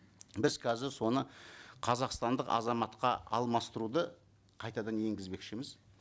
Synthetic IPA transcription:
bɪzkʲʰæzɪɾso̞nəqʰɑzɑqst̪ɑnd̪əqɑ̰zɑmɑt̪qɑ̰ɑ̰lˠmɑst̪əɾud̪ə | qʰɑjt̪ɑd̪ɑnje̞ŋɡʲɪzbe̞kʃɪmɪz

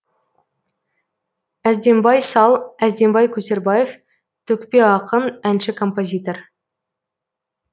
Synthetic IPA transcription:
æzd̪e̞mbɑjsɑlˠæzd̪e̞mbɑjkʲʰɵse̞ɾbɑje̞f | t̪ʰɵkpe̞ɑqəmænʃɪkʰo̞mpo̞zʲijt̪o̞r

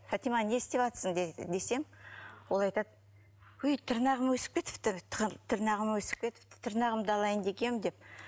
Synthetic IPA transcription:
fat̪imanʲest̪epɑt̪sənd̪d̪e̞se̞mwo̞lˠɑjt̪ɑd̪̚ | ʏjt̪ʰəɾnɑʁəmwɵsɪ̥p̚kʲe̞t̪ɪ̥ft̪ɪt̪ʰəɾnɑʁəmwɵsɪ̥p̚pʲe̞t̪ɪ̥ft̪ɪ̥t̪ʰəɾnɑʁəmd̪ɑlˠɑjənd̪e̞kʲe̞mɪd̪e̞p̚

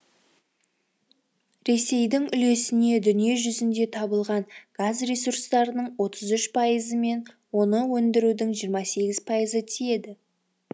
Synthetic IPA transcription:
ɾe̞se̞jd̪ɪŋʏle̞sɪne̞d̪ʏnije̞ʒʏzɪnd̪e̞t̪ʰɑbəlˠʁɑɴɡ̥azrʲe̞surst̪ɑɾənəɴwo̞t̪ʰəzʏʃpʰɑjəzəme̞n | wo̞nəwɵnd̪ɪɾud̪ɪŋʒijəɾmɑse̞ɡʲɪzpʰɑjəzət̪ʰije̞d̪ɪ

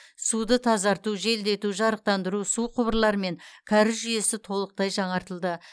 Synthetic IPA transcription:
sud̪ət̪ʰɑzɑɾt̪uʒe̞ld̪e̞t̪uʒɑɾəq̚t̪ɑnd̪əɾusuqʰʊbəɾlˠɑɾəme̞ŋkʲʰɑɾɪʒʏje̞sɪt̪ʰo̞lˠəq̚t̪ɑjʒɑɴɑɾt̪əlˠd̪ə

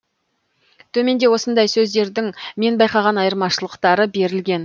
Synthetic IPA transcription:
t̪ʰɵme̞nd̪e̞wo̞sənd̪ɑjsɵzd̪e̞ɾd̪ɪŋme̞nbɑjqɑʁɑnɑjəɾmɑʃəlˠəqt̪ɑɾəbe̞ɾɪlɡʲe̞n

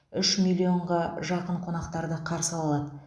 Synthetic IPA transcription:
ʏʃmilʲːio̞ɴʁɑʒɑqəɴqʰo̞nɑqt̪ɑɾd̪əqʰɑɾsəɑlˠɑlˠɑd̪ə

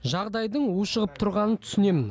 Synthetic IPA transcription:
ʒɑʁd̪ɑjd̪əɴujʃəʁəp̚t̪ʰʊɾʁɑnənt̪ʰʏ̥sɪne̞mɪn

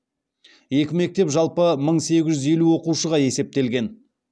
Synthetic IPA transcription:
je̞kʲɪme̞k̚t̪e̞pʒɑlˠpəməɴse̞ɡʲɪʒʏze̞luwo̞quʃəʁɑje̞se̞p̚t̪e̞lɡʲe̞n

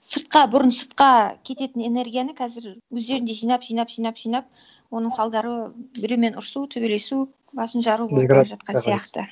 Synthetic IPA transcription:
səɾt̪̚qɑbʊɾənsəɾt̪̚qɑkʲʰe̞t̪e̞t̪ɪne̞ne̞ɾɡʲijanəkʰæzɪɾwɵzd̪e̞ɾɪnd̪e̞ʒijnɑpʒ̥ijnɑpʒ̥ijnɑpʒ̥ijnɑp̚ | wo̞nəɴsɑlˠd̪ɑɾəbɪɾeme̞nʊɾsut̪ʰɵbe̞le̞su | bɑsənʃɑɾuboʒɑt̪̚qɑnsijɑqt̪ə

